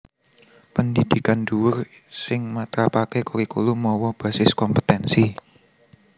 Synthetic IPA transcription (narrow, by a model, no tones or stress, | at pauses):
pənd̪id̪̥ikanduwʊrsɪŋmat̪ɾapakekuɾikulumɔwɔb̥a̤sɪskɔmpə̥t̪ɛnsi